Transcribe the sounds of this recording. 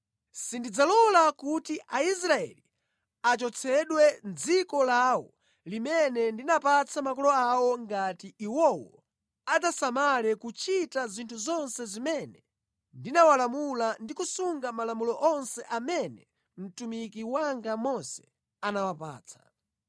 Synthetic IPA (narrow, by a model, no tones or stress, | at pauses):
sindid͡zalɔlakutiʔais̬ɾaɛ̰li | at͡ʃɔt͡sʰɛɗwɛnd͡zikɔlawɔ | limɛnɛndinapat͡sʰamakɔlɔawɔŋɡatiiwɔwɔ̰ | ad͡zasamalɛkut͡ʃitazintʰuzɔnsɛzimɛnɛ | ndinawalamulandikusuŋɡamalamulɔʔɔnsɛʔamɛnɛ | m̩tumikiwaŋɡamɔsɛ̥ | anawapa̰ːt͡sʰḁ̰